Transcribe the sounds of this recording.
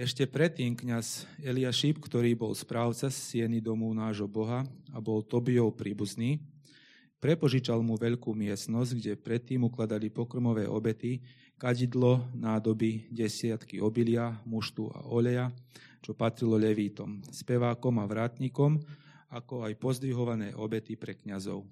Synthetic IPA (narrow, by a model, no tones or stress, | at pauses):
ɛʃcɛpɾɛt̪ːiːmkɲazɛliaʃipkt̪ɔɾiːbɔlspɾaːʊt͡sasːɪɛnid̪ɔmunaːʒɦɔbɔɦaabɔlt̪ɔbiɔʊpɾiːbuzniː | pɾɛpɔʒit͡ʃalmuʋɛʎkuːmɪɛsnɔzɟɡɟɛpɾɛt̪ːiːmuklad̪alipɔkɾmɔʋɛːʔɔbɛt̪i | kaɟid̪lɔnaːd̪ɔbiɟɛsɪat̪kiʔɔbilɪamuʃt̪ua̰ʔɔʎɛjat͡ʃɔpat̪ɾilɔʎɛʋiːt̪ɔmspɛʋaːkɔmaʋɾaːt̪ɲikɔm | akɔajpɔzd̪ʋiɦɔʋanɛːʔɔbɛt̪ipɾɛkɲazɔʊ